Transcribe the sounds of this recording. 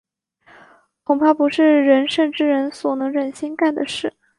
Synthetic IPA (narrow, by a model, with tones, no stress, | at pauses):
kʰʊ˨˩ŋpʰa˥˩pu˧˥ʂɻ̩˥˩ɻə˧˥nʂə˥˧nʈ͡ʂɻ̩˥˩ɻə˧˥nswɔ˨˩nɤ˧˥ŋɻə˨˩nɕi˥nka˥˩nd̪ə˩ʂɻ̩˥˩